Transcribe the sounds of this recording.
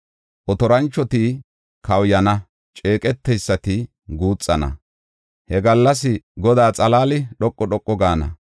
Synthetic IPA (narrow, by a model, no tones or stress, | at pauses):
ʔɔt̪ɔɾɐnt͡ʃːɔt̪i | kʰɐwjɐnɐ | t͡ʃʼeːkʼɛt̪ːɛjsːɐt̪ɪ | ɡuːt͡sʼːɐnɐ̰ | hɛɡɐlːɐs̬ɪɡɔd̪aːt͡sʼɐlaːlɪɗɔkʼːɔɗɔkʼːɔɡaːnɐ̰